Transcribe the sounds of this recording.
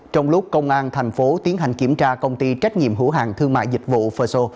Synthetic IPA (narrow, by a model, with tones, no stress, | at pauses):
t͡ɕɔ˧wŋ͡mlʊ˦˥k͡p̚kə˧wŋ͡mʔaː˧nt̪ʰɛ˨˩jŋ̟fo˨˦t̪i˨˦ənɦa˨˩jŋ̟ki˧˩əmt͡ɕaː˧kə˧wŋ͡mt̪i˧t͡ɕa˦˥jk̟̚ŋḭ˧˨əmɦɨ̰˧˥ɦa̰ː˨˩ŋt̪ʰɨ˧əŋma̰ː˧˨jzï˨˩k̟̚vṵ˧˨fəː˧so˧